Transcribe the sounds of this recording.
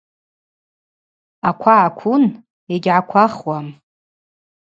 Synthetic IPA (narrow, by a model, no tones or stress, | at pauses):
akʷʰaʕakʷʰʊn | eɡʲʕakʷʰaχwam